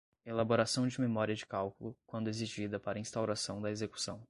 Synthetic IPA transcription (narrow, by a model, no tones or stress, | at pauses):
elaboɾasɐ̃w̃d͡ʒɪmemɔɾiɐd͡ʒɪkawkulʊkwɐ̃nd̪ʊeziʒid̪ɐpaɾɐĩst̪awɾasɐ̃w̃d̪ɐezeku̥sɐ̃w̃